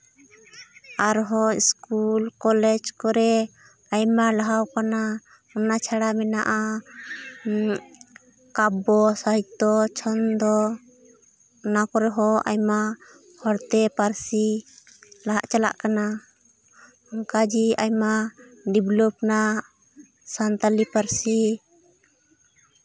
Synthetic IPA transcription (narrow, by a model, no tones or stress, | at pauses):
aɾɦɔḭskulkɔlɛd͡ʒkɔɾɛ | ajmalaɦawkana | ɔnat͡ʃʰaɽamɛnaʔa | kabɔsaɦit̪ɔt͡ʃʰɔnd̪ɔ | nakɔɾɛɦɔa̰jma | hɔɽt̪ɛpaɾsi | laɦaʔt͡ʃala̰ʔkana | ɔŋkad͡ʒiajmaɖiblɔp̚na | sant̪alipaɾsi